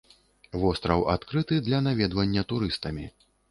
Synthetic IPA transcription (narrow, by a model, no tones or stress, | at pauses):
vɔst̪ɾɐwa̰t̪kɾɨt̪ɨd̪lʲɐnavʲɛd̪vɐnʲːɐt̪uɾɨst̪ɐmʲi